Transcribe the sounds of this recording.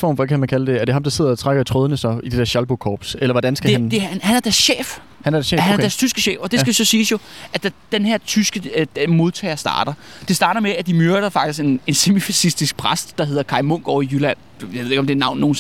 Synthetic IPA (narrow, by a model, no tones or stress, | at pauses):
fɒ̰ːmfɒkʰæmænkʰæləd̥e̝æɐɾ̥e̝ɦɑ̈md̥ɑ̈se̝ð̰ˠɐɒt͡sʰʁaɡ̥ɐt͡sʰʁɔðˠənəsɒid̥e̥eɐɕælb̥okʰɒːb̥selɐʋɒd̥ænsɡ̥æed̥enhænæɐd̥æɐsɕḛːf | hænæɐ̥ɐhænnɐd̥æɐst͡sʰysɡ̥əɕḛːfɒ̽d̥e̝sɡ̥æʋisɒ̽siːsjo̝æd̥æd̥enheɐ̰t͡sʰysɡ̥ə̥emo̝ð̞ˠt͡sʰɛ̰ːɪɐsd̥ɑ̰̈ːɾ̥ɐ | d̥e̝sd̥ɑ̈ːɾɐmeæd̥imøɐɾ̥ɐfɑ̈ɡ̥d̥isɡ̥ene̝nse̝mifæsisd̥isɡ̥̚pʰʁasd̥ːɑ̈ɦe̝ð̞̰ˠɐkʰɑ̈ɪmɔŋ̰ɡ̥ɒ̰ʊijylæn̰ | jaʋeðˠeɡ̥ɒmd̥e̝ænɑ̈ʊ̰nːo̝ːn